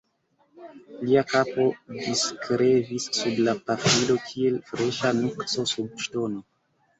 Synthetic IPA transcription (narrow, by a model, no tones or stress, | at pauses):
liakapo̞diskɾe̞visːublapafilo̞kʰie̞lfɾe̞ʃanukso̞sub̚ʃto̞no̞